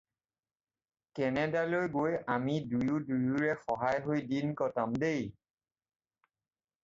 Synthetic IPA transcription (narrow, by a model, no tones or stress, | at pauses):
kɛnɛdalojɡojamidujudujuɹɛxɔɦajɦojdinkɔtamdej